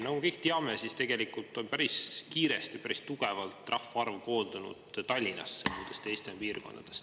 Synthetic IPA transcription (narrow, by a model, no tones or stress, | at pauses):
nɑkɡumekɤ̞jk̚t̪eɑmesist̪e̞ɡe̞likult̪ːˑo̞npæɾiskiːɾe̞st̪ipæɾist̪uɡ̥e̞vɑlt̪ˑrɑhfɑɑrvko̞ːnd̪̥unṵd̪̥t̪ɑlʲːinɑ̰sːemuːd̪est̪e̞jst̪enpiːrko̞nd̪̥ɑd̪̥e̞s